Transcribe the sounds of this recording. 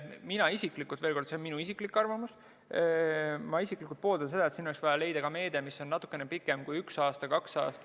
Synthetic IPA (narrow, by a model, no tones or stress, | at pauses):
minɑisikˑlikːˑult̪ve̞ːlko̞ɾd̪se̞onminuisikˑlikːɑrvɑmus | mɑisikːˑlikult̪̚po̞ːld̪ɑnse̞d̪ɑet̪sinoleksvɑjɑle̞jd̪ɑkɑme̞ːd̪̥emisːo̞nnɑt̪ːˑu̥kːˑe̞nepikːˑemkujyksɑːst̪ɑkɑksɑ̰ːst̪ɑ̥